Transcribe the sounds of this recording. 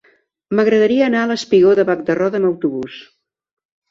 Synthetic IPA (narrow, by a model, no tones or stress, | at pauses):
məɣɾəðəɾiəːnaələspiɣoðəβak̚d̪ərɔðəməwt̪uβus